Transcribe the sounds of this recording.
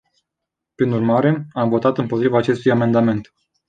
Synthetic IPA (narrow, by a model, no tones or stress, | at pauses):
pɾinurmaɾe̞amvo̞t̪at̪ɨnpo̞t̪ɾivaːt͡ʃe̞st̪ujame̞nd̪ame̞nt̪